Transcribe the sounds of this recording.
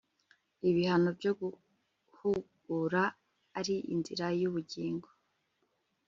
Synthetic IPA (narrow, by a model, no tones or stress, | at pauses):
iβihano̞bɟoɡu | huɡ̥uɾaː | ɾiʔḭnzḭɾajuβuɟiːŋɡo